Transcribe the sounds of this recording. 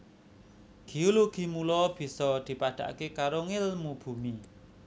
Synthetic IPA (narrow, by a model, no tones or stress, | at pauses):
ɡ̥ioloɡ̥i̤mulɔb̥i̤sɔd̪̥i̤paɖ̪̥a̤̰ʔkekaɾoŋɪlmub̥ṳmi